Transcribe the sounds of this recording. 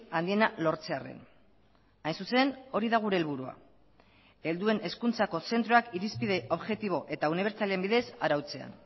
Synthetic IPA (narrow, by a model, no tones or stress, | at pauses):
and̪ie̞nalo̞ɾt͡se̞are̞̰n | ajnsuse̞no̞ɾiðaɣ̞uɾe̞ːlβuɾua̰ | e̞ld̪ue̞nʔe̞skunt͡sako̞se̞nt̪ɾo̞akiɾispiðe̞ʔo̞βʝe̞t̪iβ̞o̞ʔe̞t̪auniβ̞e̞ɾt͡saleembiðe̞saɾawt͡se̞a̰n